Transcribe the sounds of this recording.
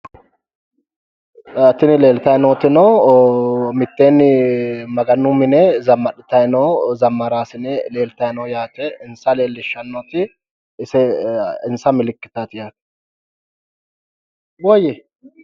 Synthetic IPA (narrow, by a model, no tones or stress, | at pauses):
ɐt̪ːɪnɪle̞ːlt̪ɐjnoːt̪ɪnɔw | mɪt̪ːe̞ːnːɪmɐɡɐnːumɪnɛzɐmːɐɗɪt̪ɐjnɔzɐmːɐɾaːsɪnɛle̞ːlt̪ɐjnɔːjaːt̪ɛɪnsɐle̞ːlːɪʃːɐnːoːt̪ɪ | ɪsɛɪnsɐmɪlɪkːɪ̥t̪at̪ɪjaːt̪ | wɔjɛ